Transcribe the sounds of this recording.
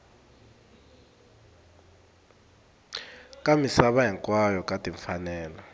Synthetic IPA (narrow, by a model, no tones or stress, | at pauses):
kʼamisaɓaɦɛŋkʼwajɔkʼatʼiɱfanɛːlɔ